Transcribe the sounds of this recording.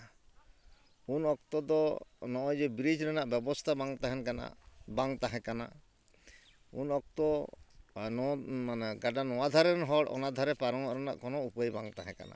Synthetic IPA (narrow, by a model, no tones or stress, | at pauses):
unɔk̚t̪ɔd̪ɔnɔʔɔd͡ʒɛbɾid͡ʒɾɛnaʔbɛbɔst̪ʰabaŋt̪aɦɛnkana̰ʔbaŋt̪aɦɛ̃kana̰ | ṵnɔk̚t̪ɔ | nɔmanɡaɖanɔwad̪ʱaɾɛnɦɔɽɔ̰nad̪ʱaɾɛpaɾɔŋɔ̰ʔɾɛna̰ʔkɔnɔupəjbaŋt̪aɦɛ̃ka̰na̰